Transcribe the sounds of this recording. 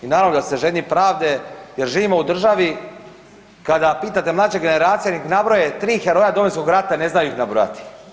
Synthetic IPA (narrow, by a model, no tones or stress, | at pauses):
inaːɾavnod̪aseʒenipɾaːʋd̪e̞jeɾʒiːʋimoud̪r̩ʒaʋi | kad̪apiːt̪at̪e̞mlˠaːt͡ʃeɡene̞ɾaːt̪sijeniknabɾojet̪ɾiːxeɾo̞jad̪oʋonsko̞ɡɾat̪ane̞znajuixnabɾo̰ja̰t̪i̥